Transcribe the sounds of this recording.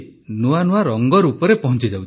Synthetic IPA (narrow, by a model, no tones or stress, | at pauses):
nuanuaɾɔŋɡɔɾupɔɾepɔɦɔ̃nt͡ʃid͡ʒawt͡ʃʰ